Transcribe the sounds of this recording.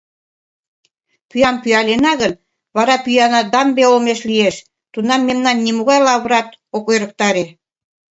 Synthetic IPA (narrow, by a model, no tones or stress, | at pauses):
pyjɑmpyɑlenɑɣən | βɑɾɑpyjɑnɑd̪ɑmbeolmeʃlieʃ | t̪unɑmːemnɑnːimuɣɑjlɑβɾɑt̪̚okojɾə̆k̚t̪ɑɾe